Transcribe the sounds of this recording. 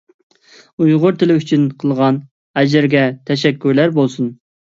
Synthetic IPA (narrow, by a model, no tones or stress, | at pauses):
ujʁʊɾt̪ʰɪlɪyt͡ʃʰynqʰəlˠʁɑn | ɛd͡ʒɪɾɡʲɛt̪ʰɛʃɛkʲːyɾlæɾbolˠsun